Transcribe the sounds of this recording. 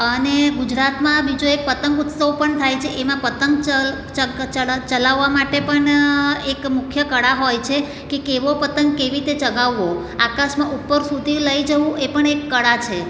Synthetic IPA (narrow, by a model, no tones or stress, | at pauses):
əneɡud͡ʒɾat̪mãbid͡ʒoek̚pət̪əŋɡut̪səʋpəɳt̪ʰajt͡ʃʰeʔemãpət̪əŋɡə | t͡ʃət͡ʃət͡ʃəlaʋːamaʈepəɳekmʊkʰjəkəɽaɦojt͡ʃʰe | kekeʋopət̪əŋɡkeʋiɾit̪et͡ʃəɡaʋːo | akaʃmãʔupːəɾsud̪ʱiləjd͡ʒəʋũʔepəɳekːəɽat͡ʃʰe